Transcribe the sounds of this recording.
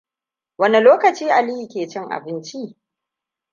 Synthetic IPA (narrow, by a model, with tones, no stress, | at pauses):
wɐ˦ni˨loː˦kɐ˨t͡ʃiː˦ʔa˨liː˦hi˨kʲeː˨t͡ʃɪ˦ŋʔa̰˨bɪ˦nt͡ʃi˦